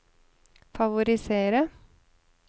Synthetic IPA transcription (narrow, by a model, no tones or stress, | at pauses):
fɑʋʊɾɪseːɾə